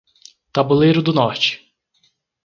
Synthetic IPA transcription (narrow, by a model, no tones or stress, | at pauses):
t̪abʊlejɾʊd̪ʊnɔt͡ʃɪ̥